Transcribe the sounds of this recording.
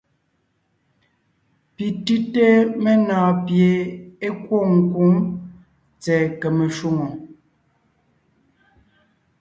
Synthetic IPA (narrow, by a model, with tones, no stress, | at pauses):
pi˨tʉ˦te˦me˦naː˨pje˨e˦kwo˦˨ŋ̩˨ku˦m | t͡sɛ˨kɛ˨me˨ʃu˦˨ŋo˨